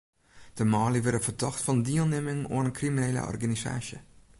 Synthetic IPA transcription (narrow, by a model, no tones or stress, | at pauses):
d̥əmɔːliʋɪɾəfərdɔxtfɔndiəlˠnɪmɪŋo̰ənənkrimineːlə̰ʔɔ̰rɡanisa̰ːsjə